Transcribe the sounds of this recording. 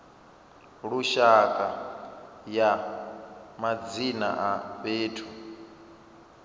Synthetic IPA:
ɺuʃakʼa | ja | mad͡zina̰ʔaβeːtʰu

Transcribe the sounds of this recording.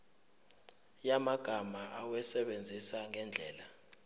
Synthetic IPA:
jamaɡ̥ʱamaʔawɛsɛɓend͡zʱisaŋɛnd͡ɮʱɛːla

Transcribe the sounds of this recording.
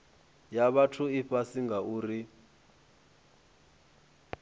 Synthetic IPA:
jaβatʰuiɸasiŋɡauːri

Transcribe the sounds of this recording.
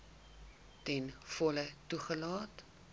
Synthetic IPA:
tɛnfɔlətuχəlɑːt

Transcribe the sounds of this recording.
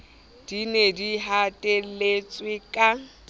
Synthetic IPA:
d̥inediɦatʼelet͡sʼwɪkʼa

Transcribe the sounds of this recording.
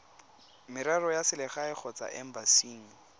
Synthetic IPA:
mɪɾarɔjasɪlɪχaɪk͡xʰɔt͡sa̰ʔɛm̩basiːŋ̩

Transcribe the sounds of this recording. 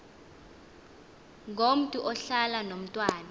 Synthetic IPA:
ŋʱom̩tʼuʔɔɬalanom̩tʼwaːna

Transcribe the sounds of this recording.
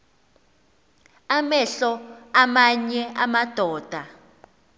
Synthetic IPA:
amɛɬɔamaɲɛamad̥ʱɔːd̥ʱa

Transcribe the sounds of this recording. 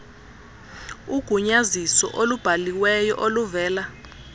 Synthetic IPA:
uɡ̥ʱuɲazisɔ̰ʔolub̥ʱaliwɛjɔ̰ʔoluvɛːla

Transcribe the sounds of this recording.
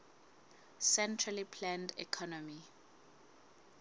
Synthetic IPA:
sɛntʰralipʰlãndḭkʰɔnɔmi

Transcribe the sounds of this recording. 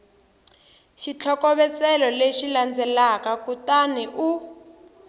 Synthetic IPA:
ʃit͡ɬʰɔkɔβɛt͡sɛlɔleʃiland͡zɛlakakutaniʔu

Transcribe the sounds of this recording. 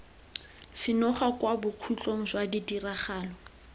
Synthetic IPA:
sɪnɔχakwabʊkʰut͡ɬoŋ̩swadidiraχaːlɔ

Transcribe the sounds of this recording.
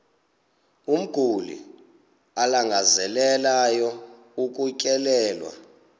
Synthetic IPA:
um̩ɡ̥ʱulḭ | alaŋɡʱazɛlɛlajɔ | uk̬ʼucʼɛlɛːlwa̰

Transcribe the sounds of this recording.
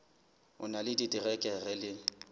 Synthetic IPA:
ʊ̰nalɪdidirɛkʼɛrɛlɪ

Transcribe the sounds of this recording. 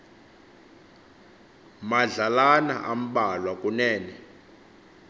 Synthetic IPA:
maɮalana̰ʔam̩ɓalwakʼunɛːnɛ

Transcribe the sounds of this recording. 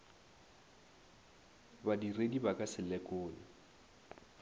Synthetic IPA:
badiredibakʼasɪlɛkʼʊːlɪ

